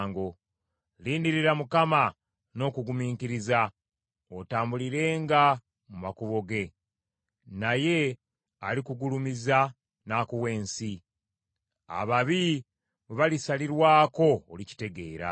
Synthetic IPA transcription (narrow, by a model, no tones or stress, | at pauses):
ŋɡo̞ | liːndiɾiɾamukama | no̞kuɡumiːŋkiɾiza | otaːmbuliɾe̞ːŋɡa | mumakuβo̞ɡe̞ | naje̞ | alikuɡulumiza | naːkuwe̞ːnsi | a̰βaβi | βeβalisaliɾwaːko̞ːlici̥te̞ɡe̞ːɾa̰